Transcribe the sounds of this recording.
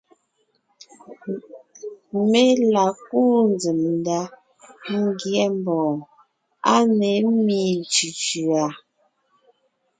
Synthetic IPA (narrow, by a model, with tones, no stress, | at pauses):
me˦la˨k̚u˦n˦d͡zi˨mnda˦ | ŋ̩˦ɡjɛ˦m˦bɔː˨ | a˦ne˨˦mi˨t͡ʃi˨t͡ʃʉ˨a˨